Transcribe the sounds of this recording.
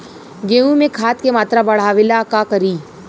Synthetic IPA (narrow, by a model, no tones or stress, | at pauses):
ɡeːũmẽkʰaːt̪kemaːt̪ɾabɐɽ̤aːʋɪlakakɐɾiː